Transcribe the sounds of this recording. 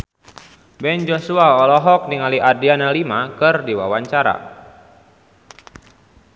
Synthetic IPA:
bɛnd͡ʒosuaɔlɔɦɔk̚niŋaliʔadianalimakɨrdiwawaɲt͡ʃaɾa̰

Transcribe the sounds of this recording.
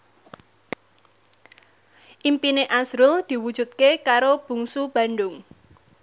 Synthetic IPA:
ʔimpineʔasɾʊld̪̥i̤wud̥ʒ̥ṳt̪̚kekaɾob̥ṳŋsub̥ä̤nɖʊŋ

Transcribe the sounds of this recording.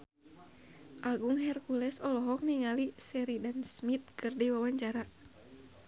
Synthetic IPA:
ʔaɡuŋɦɛrkulɛsɔlɔɦɔk̚niŋalisɛɾidansmit̪̚kɨrdiwawaɲt͡ʃaɾa

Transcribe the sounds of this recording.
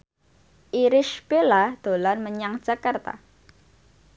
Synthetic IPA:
ʔiɾɪʃbelad̪̥olanməɲaŋd̥d͡ʒ̥akart̪a̰

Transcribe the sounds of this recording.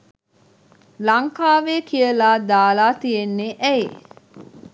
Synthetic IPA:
laŋkaːʋeːkijəlaːd̪aːlaːt̪ijenːeʔɛi

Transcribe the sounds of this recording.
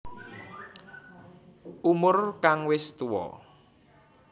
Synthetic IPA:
ʔumʊrkaŋwɪst̪uwɔ̰

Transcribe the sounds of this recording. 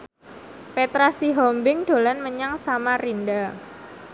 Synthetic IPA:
pet̪ɾasiɦɔmbɪŋɖ̥o̤lanməɲaŋsamarinda

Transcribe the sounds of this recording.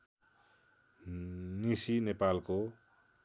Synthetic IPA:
nisinepalko

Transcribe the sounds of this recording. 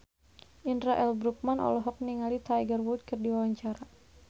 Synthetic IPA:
ʔindɾaʔɛlbɾuk̚manʔɔ̰lɔɦɔk̚niŋalit̪aiɡərwud̪̚kɨrdiwawaɲt͡ʃaɾa

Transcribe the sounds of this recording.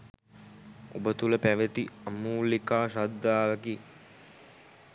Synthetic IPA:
obət̪uləpæʋət̪iamuːlikaːʃad̪ːaːʋɐki

